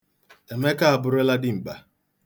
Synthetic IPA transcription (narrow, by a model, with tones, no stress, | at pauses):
e˨me˦ka˦a˨bʊ˨ɾe˦la˦dɪ˦m̩˨ba˨